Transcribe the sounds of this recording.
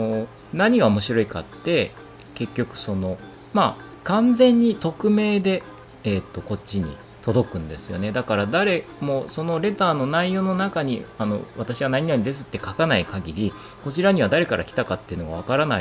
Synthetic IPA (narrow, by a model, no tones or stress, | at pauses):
o | naɲ̟iɡaomo̞ɕiɾo̞ika̰t̪ːe̞ | ke̞kʲːo̞kɯ̟̥so̞no̞ | ma | kãnzẽ̞ɲ̟ːit̪o̞kɯ̟me̞ːd̪e̞ː | t̪ːo̞ko̞t͡ɕːiɲ̟ḭ | t̪o̞d̪o̞kɯ̟̃nd̪e̞sɨjo̞̰ne̞d̪akaɾad̪aɾe̞ | mo̞so̞no̞ɾe̞t̪aːno̞naijo̞ːno̞nakaɲ̟ḭano̞̰βat̪aɕiβanaɲ̟inaɲ̟id̪e̞s̬ɨ̥t̪ːe̞kakanaikaɡʲiɾʲi | ko̞t͡ɕiɾaɲ̟iβ̞ad̪aɾe̞kaɾʔa̰kʲi̥t̪akat̪ːe̞iɯ̟noɡaβakaɾana